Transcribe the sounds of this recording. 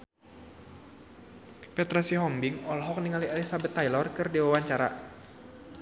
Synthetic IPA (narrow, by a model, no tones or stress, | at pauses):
pɛt̪ɾasiɦɔmbɪŋɔlɦɔk̚niŋalialisabət̪ːajlɔrkɨrdiwawaɲt͡ʃaɾa̰